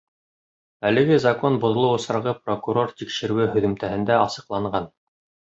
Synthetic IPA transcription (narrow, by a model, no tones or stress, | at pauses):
ælɘ̆ɡɘzɐkonbŏð̆lˠɤwŏsɾɑʁɤprokuɾo̞rt̪ikʃɘ̆ɾɘwɘɦɵ̆ðɵ̆mt̪æhɘ̆nd̪æɑsɤ̆qlˠɑɴɢɑn